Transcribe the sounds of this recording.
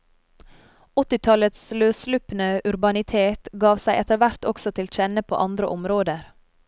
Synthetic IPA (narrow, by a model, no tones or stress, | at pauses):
ɔt̪ɪt̪ʰɑlət̪sløːslʉːpənəʔʉɾbɑnɪt̪ʰeːt̪ɡɑːʋsæɪʔɛt̪əʋæɾt̪ɔksɔt̪ʰɪlc͡çɛnəpʰo̰ːʔɑnd̪ɾə̰ʔɔmɾoːd̪əɾ